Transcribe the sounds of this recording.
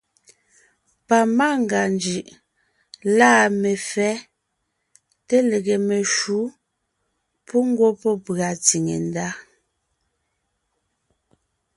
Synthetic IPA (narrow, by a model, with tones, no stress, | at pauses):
pa˨ma˦˨ŋ˨ɡa˨nd͡ʒi˨ʔ | laː˦˨me˨fɛ˦ | te˦le˨ɣe˨me˨ʃu˨˦ | pʰu˦ŋ̩˦ɡwo˦pɔ˦pa˨t͡si˨ŋḛ˨n˦da˦